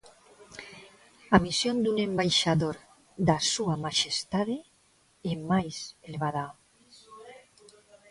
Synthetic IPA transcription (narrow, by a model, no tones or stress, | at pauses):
amisjond̪unembajʃaðoɾ | d̪asuamaʃest̪aðe | emajselβaða